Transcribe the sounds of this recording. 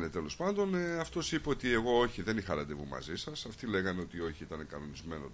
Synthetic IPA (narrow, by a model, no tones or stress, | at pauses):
ne̞t̪e̞lo̞spɐnd̪o̞nɐft̪o̞sipeot̪ie̞ɣo̞o̞çiðe̞nixɐɾɐd̪e̞vumɐ̰zisɐsɐft̪ile̞ɣɐneo̞t̪io̞çiit̪ɐne̞kɐno̞nizme̞no